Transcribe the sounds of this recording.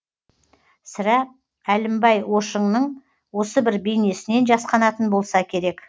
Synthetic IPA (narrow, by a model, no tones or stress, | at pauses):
sɪɾæ | ælɪmbɑjwo̞ʃəɴnəɴ | wo̞səbɪɾbejne̞sɪne̞nʒɑsqɑnɑt̪ənbo̞lˠsɑkʲʰe̞ɾe̞k